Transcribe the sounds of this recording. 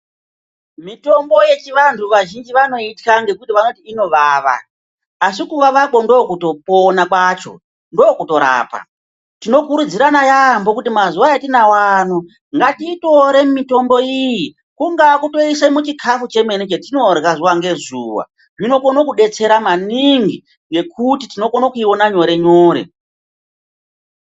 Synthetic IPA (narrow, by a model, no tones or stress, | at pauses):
mito̞mbo̞je̞t͡ʃiʋantʰuʋaʒind͡ʒiʋano̞itkaŋɡe̞kutiʋano̞tiːno̞ʋaːʋa̰ː | s̬ikuŋɡaʋako̞ndo̞kuto̞ponakwaːt͡ʃo̞̰ | ndo̞kuto̞ɾa̰ːpa̰ | tino̞kuɾud͡ziɾanajambo̞kutimazuwaatinawano | ŋɡatiːto̞ɾe̞mito̞mbo̞iji | kuŋɡakuto̞isemut͡ʃikʰafut͡ʃe̞menet͡ʃetino̞rɣazuwaŋɡe̞zuːwa̰ | ʐino̞konokuɗe̞t͡se̞ɾamaniŋɡi | je̞kutitino̞konokuio̞naɲo̞ɾe̞ɲoːɾe̞̰